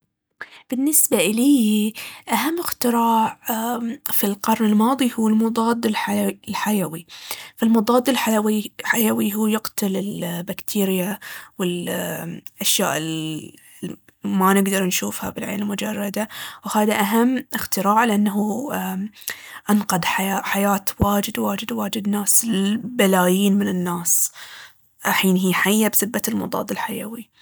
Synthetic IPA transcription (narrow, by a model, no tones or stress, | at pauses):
b̥ɪnːɪsbaʔɪliːʔaɦamːɪxt̪ɪɾɑːʕ | filqɑɾˤnɪlmɑːðˤihuːɪlmʊd̪ˤɑːd̪ɪllħajawifalmʊd̪ˤɑːd̪ːɪlħawiħajawiɦuːjɪqt̪ʰalɪlbakt̪ʰiːɾɪjawɪl | ʔaʃja̰ːʔɪ | manɪɡd̪ɑɾˤnʃuːfha̰bɪlʕḛːnɪlmʊd͡ʒɑrˤːɑd̪awhaːðaʔaɦamːʔɪxt̪ɪɾaːʕlɪʔanːaɦu | ʔanqɑd̪ˤħajaħajaːt̪waːd͡ʒɪd̪waːd͡ʒɪd̪waːd͡ʒɪd̪naːsbalaːjiːnmɪnɪnːaːs | ħiːnɦiːħajːabsɪbːat̪ɪlmʊ̰d̪ˤɑ̰ːd̪ˤɪlħajawi